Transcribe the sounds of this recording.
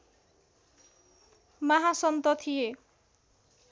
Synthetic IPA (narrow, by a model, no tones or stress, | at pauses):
maɦasʌnt̪ʌt̪ʰije